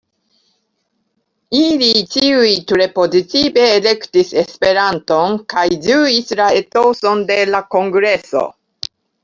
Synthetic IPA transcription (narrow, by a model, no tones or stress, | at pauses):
ilitiujtuɾe̞po̞zitibe̞ːle̞ktise̞spe̞ɾanto̞nkajd͡ʒuislae̞toso̞nde̞lako̞ŋɡɾe̞so̞̰